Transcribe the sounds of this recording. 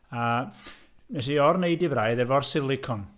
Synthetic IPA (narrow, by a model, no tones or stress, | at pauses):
a | mɛs̬iɔrnejdɪvrajðɛvɔrsɪlˠɪkʰɔn